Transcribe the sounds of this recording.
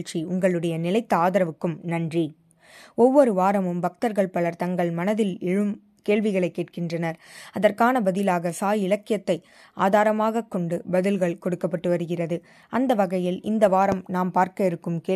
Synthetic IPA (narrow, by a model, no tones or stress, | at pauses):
ɭt͡ʃiʊŋɡɐɭɯɽɐjɐnɪlɐɪt̪ːɐaːðɐɾɐʋɯkːɯmnɐndri | ɔʋːɔɾɯʋaːɾɐmɯmbɐk̚t̪ɐɾɣɐɭpɐɭɐɾt̪ɐŋɡɐɭmɐnɐðɪlɪɻɯm | keːɭʋɪɣɐɭɐɪkːeːʈ̚kɪndrɐnɐɾɐðɐrkaːnɐbɐðɪlaːɣɐsaːjɪlɐkːɪjɐt̪ːɐɪ | ʔa̰ːðaːɾɐmaːɣɐkːɔɳɖɯbɐðɪlɣɐɭkɔɽɯkːɐpːɐʈːɯʋɐɾɯɣɪrɐðɯ | ʔɐnd̪ɐʋɐɣɐjɪlɪ̰nd̪ɐʋaːɾɐmnaːmpaːɾkɐɪɾɯkːɯmkeː